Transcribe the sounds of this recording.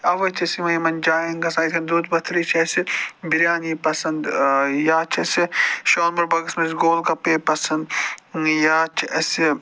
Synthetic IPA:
ɐʋɐt͡ʃ̪ʰɐsimɐimɐnʲd͡ʒaːjɐnɡɐsaːit̪kʰɐnd̪uːt̪bɐt̪ʰɾit͡ʃʰɐsibiɾjaːniːpɐsɐnd̪jaːt͡ʃʰɐsiʃoːnmuɾbɐɡɐsmɐsɡoːlkɐpeːpɐsɐnd̪jaːt͡ʃʰɐsi

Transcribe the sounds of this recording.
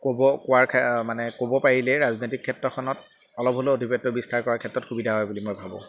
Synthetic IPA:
kobɔkowaɹkʰɛmanɛkobɔpaɹilɛɹaznojtikʰːɛtːɹɔxʰɔnɔt | ɔlɔpɦoloodʱipɔtːɔbistaɹkɔɹaɹkʰɛtɹɔtxubidʱaɦɔjbulimojbʱabɔʊ̰̃

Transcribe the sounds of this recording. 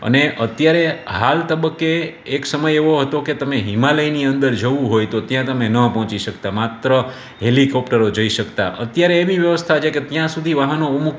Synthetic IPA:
ə̰neʔət̪jaɾeɦalt̪əbəkːeːksəməjeʋoɦət̪oket̪əmeɦimaləjniənd̪əɾd͡ʒəʋũɦojt̪ot̪jãt̪əmenəpɔɦɔ̃t͡ʃiʃəkt̪amat̪ɾə | ɦelikɔpʈəɾod͡ʒəiʃəkt̪a̰ʔət̪jaɾeːbiʋjəʋəst̪ʰat͡ʃʰeket̪jãsud̪ʱiʋaɦənoumuk

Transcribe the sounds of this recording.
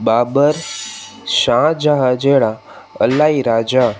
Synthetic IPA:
baːbəɾ | ʃãd͡ʒaɦad͡ʒeɭa | ə̰laiɾad͡ʒa

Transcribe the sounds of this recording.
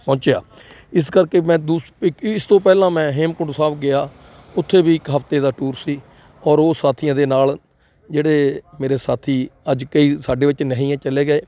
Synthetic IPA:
pɔ̃ːt͡ʃeja̰ː | ɪskəɾkeːmɛ̃ːd̪uː | ɪst̪õːpɛːlãːmɛ̃ːɦeːmkʊɖsaːpɡɪaː | ʊt̪ʰːeːbiːɪkɦəpt̪eːd̪aːʈuːɾsiː | ɔːɾoːsaːt̪ʰiːjãːd̪eːnaːl | d͡ʒeːɽeːmeːɾeːsaːt̪ʰiːəd͡ʒkəiːsaːɖeːʋɪt͡ʃnəɦĩːjãːt͡ʃəleːɡəeː

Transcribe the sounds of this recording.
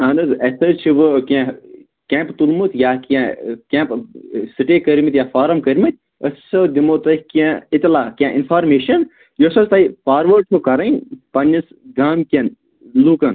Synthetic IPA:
ɐnɨzɐsɐt͡ʃʰiʋɨkʲã | kʲẽːmpt̪ulmut̪ʲjaːkãkʲɛ̃ːpsiʈeːkəɾʲmit̪jaːfʰaːɾɐmkɐɾʲmit̪̚ʲ | əssɐd̪imoːt̪ɐhkãit̪ʲlaːkʲãːʔinfʰaːɾmeːʃɐn | josɐst̪aipaːɾʋɐɾʈʰokɐɾɐnʲpɐnʲːɐs | ɡaːmkʲɐn | lukɐn

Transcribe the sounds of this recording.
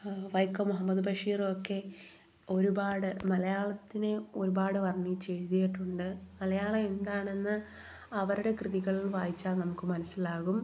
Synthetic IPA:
ʋɐjkːɐmuɦɐmːɐðɨbʱɐʂiːrokːe̞ | o̞ɾubaːɽɨmɐlɐjaːɭɐt̪ːinɨo̞ɾubaːɽɨʋɐrɳːit͡ɕe̞ɻðijiʈːuɳɖɨmɐlɐjaːɭɐe̞nd̪aːɳe̞nːɨ | ɐʋɐɾuɽe̞krɨðiɣɐɭilʋaːjit͡ɕːaːlnɐmukːɨmɐnɐsːilaːɣum

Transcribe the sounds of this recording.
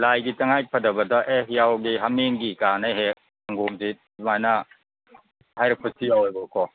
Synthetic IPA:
lajɡitaŋaj̚pʰɐdɐbɐdaʔehjawɡiɦamenɡikanajɦek̚ | aŋɡomdit̚majna | hajɾɐk̚pʰɯtʰijawajbɔkʰɔ

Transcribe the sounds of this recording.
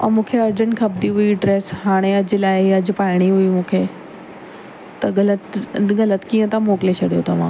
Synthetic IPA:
ɐ̰mũːkʰeɐɾd͡ʑəñkʰɐbd̪iɦʊiɖɾeːsɦaːɽ̃eɐd͡ʑɪ̆laːɪɐd͡ʑ̆paːɪɽ̃iɦʊimũːkʰe | t̪ɐɡɐlət̪ɡɐlət̪kiːə̃t̪ãmoːkɪlet͡ɕʰɐɽijot̪ɐʋ̤ãː

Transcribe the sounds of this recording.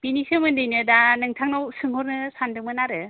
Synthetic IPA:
b̥inisɯmɯndɯjnɯdanɯŋtʰaŋnawsɯŋhɔɾnɯsandɯŋmɯnaɾɯ

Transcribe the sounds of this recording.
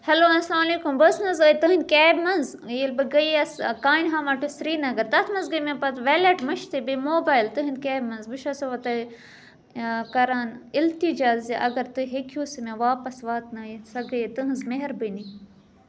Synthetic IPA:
hɛloːɐnslaːmɐleːkumbəsnɐzɐːit̪ɨɦɨnd̪̚kʲeːbmɐnz | jilbɨɡɐjɐskaːinɦamɐʈusɾiːnɐɡɐɾt̪ɐt̪ʰmɐnzɡɨmẽpɐt̪ʋelɐʈmɐʃt̪ʰibimoːbaːjlt̪ɨɦɨnd̪keːbmɐnzbɨʃɐsoʋɐt̪ɐ | kɐɾaːnilt̪id͡ʒaːzziʔɐɡɐɾt̪ɨɦekʰjuːsimẽʋaːpɐsʋaːt̪nɐjisɐɡɐjet̪ɨɦɨnzmeɦɐɾbɨni

